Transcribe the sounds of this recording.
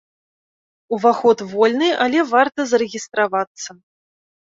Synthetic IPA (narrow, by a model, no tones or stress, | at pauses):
uvaxɔt̪vɔlʲnɨʔalʲɛvart̪ɐzɐɾɛɣʲist̪ɾavat̪sːɐ